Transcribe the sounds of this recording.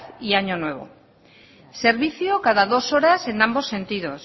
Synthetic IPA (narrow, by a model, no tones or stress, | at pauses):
θiaɲo̞nwe̞β̞o̞̰ | se̞ɾβiθjokaðaðo̞so̞ɾase̞nambo̞sːe̞nt̪iðo̞s